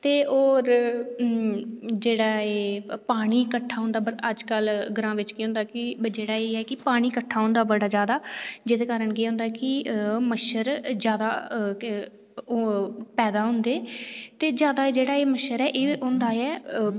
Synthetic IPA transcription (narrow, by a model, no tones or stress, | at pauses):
t̪eːoːɾ | d͡ʒeːɽaːeːpaːɽ̃iːkəʈʰːaːɦʊ̃nd̪aːbəɾəd͡ʒkəlɡəɾãːʋɪt͡ʃkeːɦʊ̃ːnd̪aːkɪd͡ʒeːɽaːeːɛːkɪpaːɽ̃iːkəʈʰːaːɦʊ̃nd̪aːbəɽaːd͡ʒjaːd̪aːd͡ʒɪd̪eːkaːɾəɳkeːɦʊ̃nd̪aɛkɪməʃəɾd͡ʒjaːd̪aː | pɛːd̪aːɦʊ̃nd̪eːt̪eːd͡ʒjaːd̪aːeːd͡ʒeːɽaːeːməʃəɾɛːʔeːʔʊnd̪aːɛː